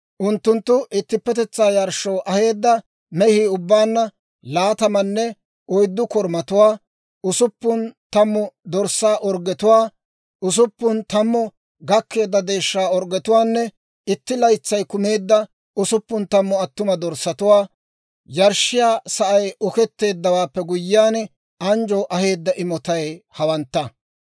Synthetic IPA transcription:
ʔʊnt̪ːʊnt̪ːʊʔɪt̪ːɪpːɛt̪ɛt͡sːaːjɐɾʃːɔwʔɐhe̞ːd̪ːɐ | mɛhiʊbːaːnːɐ | laːt̪ɐmɐnːɛ | ɔjd̪ːʊkɔɾmɐt̪ʊwaː | ʊsʊpːʊnt̪ɐmːɔd̪ɔɾsaːʔɔɾɡɛt̪ʊwaː | ʊs̬ʊpːʊnt̪ɐmːɔ | ɡɐkːe̞ːd̪ːɐd̪e̞ːʃːaːɔɾɡɛt̪ʊwaːnːɛ | ɪt̪ːɪlɐjt͡sːɐjkʊme̞ːd̪ːɐ | ʊsʊpːʊnt̪ɐmːɔɐt̪ːʊmɐd̪ɔɾsːɐt̪ʊwaː | jɐɾʃːɪjaːsɐʔɐjʔɔkɛt̪ːe̞ːd̪ːɐwaːpːɛɡʊjːɪjaːn | ɐnd͡ʒɔʔɐhe̞ːd̪ːɐʔɪmɔt̪ɐjhɐwɐnt̪ːɐ

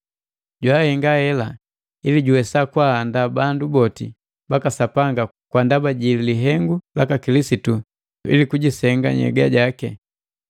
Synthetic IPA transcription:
ɟwahɛŋɡahɛla | iliɟuwɛsakwahːndabandubɔtḭ | bakasapaŋɡa | kwandabaɟililiɦɛŋɡulakakilisitu | ḭlikuɟisɛŋɡa̰ɲɛ̰ɡaɟakɛ̰

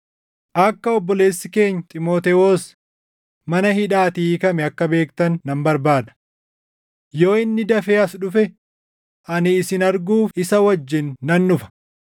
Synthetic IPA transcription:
ʔɐkːɐɔbːɔle̞ːsːɪke̞ːɲːt̪ʼɪmoːt̪ewoːs | mɐnɐhɪᶑaːt̪iːkɐmɛɐkːɐbe̞ːkt̪ɐnːɐmbɐɾbaːd̪ɐ̥ | jo̞ːɪnːɪd̪ɐfeːɐsᶑʊfɛ | ʔɐnɪːsɪnɐɾɡuːfɪsɐwɐd͡ʒːɪnːɐnːʊfɐ̥

